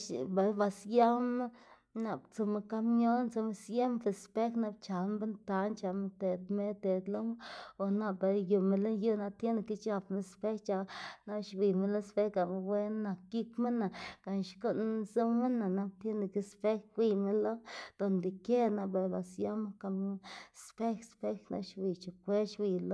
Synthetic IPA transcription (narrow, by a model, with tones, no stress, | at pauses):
ʃba˨jba˧sja˦me˦ | na˨bt͡so˧me˧ka˦mɲo˦nt͡so˧me˧sje˦mfe˧˨spe˦kna˧b̚t͡ʃa˨lbe˦nt̪a˧nt͡ʃa˧me˧t̪e˨d̪me˦t̪e˨d̪lo˦m˦o˨na˧ba˨ju˧˨me˧lo˦nju˦na˧t̪je˦ne˧ki˦t͡ʃa˧pme˧spe˦t͡ʃa˧na˦ʃbi˧˨me˦lo˦spe˦kɡa˨me˧we˦nna˧˨kːi˦kme˦na˨ka˧˨nʃko˦ʔnzo˦me˦na˨na˧b̚t̪je˦ne˨ki˦spe˦kwʷi˧me˦lo˦d̪̥o˨nd̪i˨ke˦na˧be˧˨ba˨sja˦m˦ka˧m˦spe˦kspe˦kna̰˧ʃbi˨t͡ʃa˨kʷe˦ʃwi˧˨lo˦